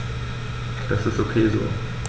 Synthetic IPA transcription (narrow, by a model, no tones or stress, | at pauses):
d̥asɪstokʰeːzo̰ː